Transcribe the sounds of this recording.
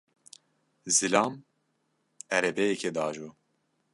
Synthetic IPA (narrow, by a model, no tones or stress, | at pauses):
zilɑːm | ɛɾɛbɛjɛkʰɛd̪ɑːʒoː